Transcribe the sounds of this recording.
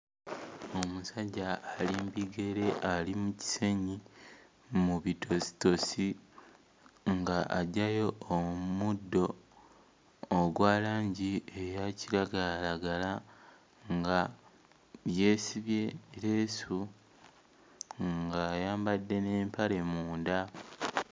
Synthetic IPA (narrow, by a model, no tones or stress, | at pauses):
o̞musaɟːaːlimbiɡe̞ɾe̞ʔalimuci̥se̞ɲi | muβitʰo̞si̥to̞si | ŋɡaʔaɟajo̞ːmudːo̞ | ɡwaːlaːɲɟiejaciɾaɡalaɡala | ŋɡa | βje̞ːsiβje̞ɾeːsu | ŋɡajaːmbadːe̞ne̞ːmpaɾe̞muːnda